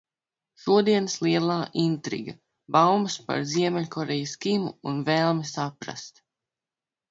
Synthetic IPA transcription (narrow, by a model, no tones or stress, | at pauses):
ʃuɔd̪iɛnslˠiɛlˠaːʔint̪ɾḭɡa | bawmaspa̰ɾziɛmɛlʎʲkʰɔɾɛjaskimuːnvɛːlˠmɛsapɾa̰st̪